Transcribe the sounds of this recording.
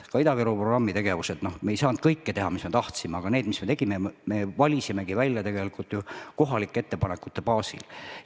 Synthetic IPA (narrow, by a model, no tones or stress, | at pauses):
kɑid̪ɑveɾuproɡrɑmːit̪e̞ɡe̞vuse̞d̪̥no̞hmejsɑːnd̪̚kɤjkːet̪e̞ɦɑmisme̞t̪ɑht̪simeɑɡ̥ɑneːd̪misme̞t̪e̞ɡ̥imeme̞vɑlʲisime̞ɡivælʲjɑt̪e̞ɡe̞likult̪ːˑjuko̞ɦɑlikːˑee̞t̪ːe̞pɑnekːˑut̪ːe̞pɑːsḭl